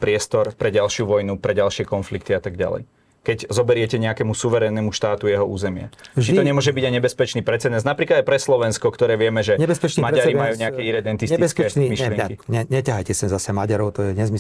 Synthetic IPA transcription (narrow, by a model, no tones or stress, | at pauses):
pɾɪɛst̪ɔɾpɾɛɟalʃɪuʋɔjnupɾɛɟalʃɪɛkɔnflikt̪iat̪aɡɟa̰lɛ̰j | kɛɟzɔbɛɾɪɛcɛɲɛakɛmusuʋɛɾɛnːɛːmuʃt̪aːt̪ujɛɦɔṵːzɛmɪa̰t͡ʃiɔɲɛmʊɔʒɛbiɟajɲɛbɛspɛt͡ʃniːpɾɛt͡sɛd̪nɛnznapɾiklad̪ajpɾɛslɔʋɛnskɔkt̪ɔɾɛːʋɪɛmɛʒɛɛɛsɛt͡ʃmaɟaɾimajuːɲɛakɛiɾɛd̪ɛnt̪ist̪iskɛmiʃlɪɛŋɛkiɲɛɲɛcaɦajcɛsɛmzasɛmaɟaɾɔʊt̪ɔjɛɲɛzmi